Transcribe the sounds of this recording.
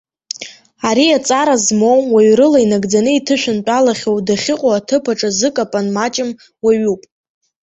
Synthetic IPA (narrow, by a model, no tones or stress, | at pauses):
aɾiat͡sʼaɾazmowmwaɥɾɨlainaɡd͡zanɨitʰɨʃᶣɪnpʼalaχʲowdaχʲɪqʷʼoatʰɨpʰaʈ͡ʂʼazɨkʼapʼanmat͡ʃʼɪm | waɥupʼ